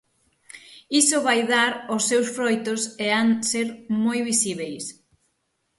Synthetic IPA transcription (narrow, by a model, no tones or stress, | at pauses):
isʊβajðaɾʊsːewsfɾojt̪ʊseaŋseɾmojβisiβejs